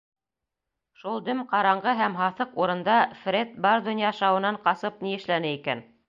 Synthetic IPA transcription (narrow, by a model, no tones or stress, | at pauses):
ʃulˠd̪ɵmqɑɾɑɴɢɤɦæmɦɑθɤquɾɤ̆nd̪ɑfrʲet̪̚bɑɾd̪ŏnjɑʃɑwɤ̆nɑɴqɑsɤp̚niɘ̆ʃlænɘikæ̰n